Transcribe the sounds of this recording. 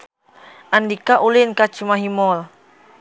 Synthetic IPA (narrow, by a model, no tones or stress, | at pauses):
ʔandikaʔulɪnkat͡ʃimaɦimɔl